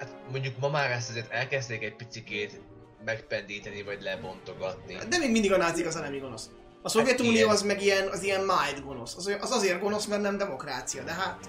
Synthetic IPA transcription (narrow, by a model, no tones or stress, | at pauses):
hat̪mo̞ɲɟukmɒmaːɾɛs̬t̪ɛzeːrt̪ɛlkɛzt̪eːkɛc̚pit̪sikeːt̪ | mɛkpɛnd̪iːt̪ɛnivɒɟlɛbo̞nt̪o̞ɡɒt̪nid̪ɛmeːɡmind̪iɡɒnaːt̪zikɒzɛlɛmiɡo̞no̞s | ɒsovjɛt̪ulijoɒzmɛɡijɛnɒzijɛmmaːjd̪ɡo̞no̞sɒzʔɒzɒzeːrɡo̞no̞smɛrt̪nɛmd̪ɛmo̞kraːt̪sijɒd̪ɛɦat̪